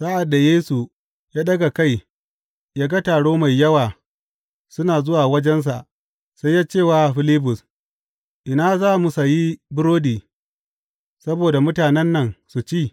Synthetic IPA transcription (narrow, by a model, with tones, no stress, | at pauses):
saː˦ʔa˨dːa˨jeː˦su˨ | jaː˦ɗɐ˦ɡa˨ka˦˨j | jaː˦ɡa˦taː˨ɽoː˦ma˨jːɐ˦waː˨ | sʊ˦naː˨zʊ˦waː˨wɐ˦d͡ʒɛ˦ns̬a˨ʔ | sa˦jːaː˦t͡ʃeː˦˨waː˦˨ɸɪ˦lɪ˦bʊ˨s | ʔɪ˨naː˦zaː˦˨mu˨sa˨ji˦bʊ˦ɾoː˦diː˨ | sɐ˦boː˨da˨mʊ˦taː˨nɛ˦nːɐ˨ŋsu˨t͡ʃiː˦˨